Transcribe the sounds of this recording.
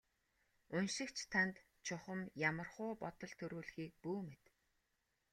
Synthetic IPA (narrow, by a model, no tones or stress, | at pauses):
ɵnʃɪ̆kt͡ɕʰt̪ʰant̪ | t͡ɕʰʊχə̆mjamə̆rχʊːpɔt̪ɞ̆ɮt̪ʰɵɾuːɮxiːk̚puːmet̪